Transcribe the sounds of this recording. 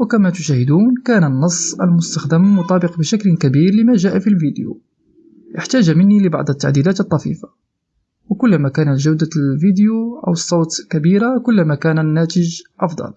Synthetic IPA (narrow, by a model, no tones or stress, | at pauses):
wəkæmæt̪ʊʃæhəd̪uːnkænənːɑsˤːə̰lmʊst̪axd̪əmmʊt̪ˤɑːbəqbəʃæklkæbiɾləmæʒæːʔafilvid̪jṵ | ʔəħt̪æʒamənːiləbɑ̰ʕd̪ˤət̪ːaʕd̪ilæːt̪ət̪ˤːɑfḭfḁ | wkʊlːmækænəlʒawd̪alvid̪juʔə̰wsˤːot̪lkæbiɾakʊlːmækænænːæt̪əʒʔɑfd̪ˤɑ̰l